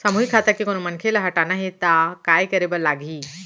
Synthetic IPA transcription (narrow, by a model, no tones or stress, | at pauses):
samuɦikʰːat̪akiːkonumənkʰelaɦəʈanaɦit̪akajkəɾebəɾlaɡʱiː